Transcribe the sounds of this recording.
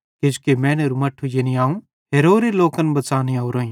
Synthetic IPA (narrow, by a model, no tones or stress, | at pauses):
ked͡ʒukemɛ̃ːneɾumɐʈʰːujeniaːũ | ɦeːɾoːɾeloːkənbɐt͡ʃaːnioʊɾoːĩ